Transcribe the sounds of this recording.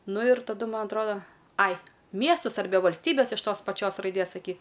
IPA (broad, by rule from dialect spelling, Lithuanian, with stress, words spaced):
ˈnʊ ɪr tɐˈdʊ ˈmɐn ɐtˈroːdɐ ˈɐɪ ˈmʲiɛstʊs ɐrʲˈbʲɛ ʋɐlʲsʲˈtʲiːbʲɛs ɪʃ ˈtoːs pɐˈt͡ʃʲoːs rɐɪˈdʲeːs sɐˈkʲiː